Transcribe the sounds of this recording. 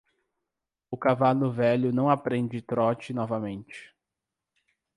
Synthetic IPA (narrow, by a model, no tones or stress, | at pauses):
ʊkavalʊvɛʎʊnɐ̃w̃apɾẽnd͡ʒɪt̪ɾɔt͡ʃɪnɔvɐmẽnt͡ʃɪ̥